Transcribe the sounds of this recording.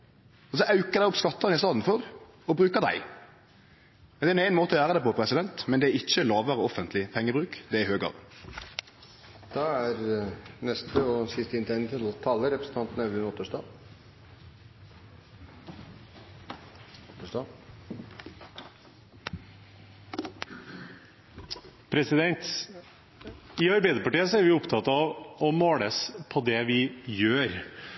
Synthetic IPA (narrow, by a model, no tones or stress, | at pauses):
ɔs̬ɔʔɑʉkəd̪æɪɔpskɑt̪ːɑʁnɪst̪ɑːd̪n̩fɔʁ | ɔbɾʁʉːkəʁd̪æ̰ɪ | mɛnd̪ɛɾnæɪnmoːt̪əɔjæːʁəd̪ɛpɔpʰɾɛsɪd̪ɛnt̪mɛnd̪ɛæɾɪçːəlɑːʋəɾəɔfənt̪ʰlɪpʰɛŋːəbʁʉːkd̪ɛɾɪhøːɡɑ̰ːʋ | d̪̥ɑæɾnɛst̪əɔsɪst̪əɪnt̪ʰɛnt̪ʰɪlɔt̪ʰɑːlːəɾɛpɾəsn̩t̪ɑnt̪n̩ɑʋ̪ʉnɔt̪ːəʂdɑː | t̪ːəʂdɑ | pʰɾɛsɪd̪ɛnt̪ | ɪɑɾbæɪd̪əɾpɑʈiːəsɔæɾʋɪʊpt̪ʰɑt̪ɑʋɔmoːɽəspʰɔd̪ɛʋɪjøːɾ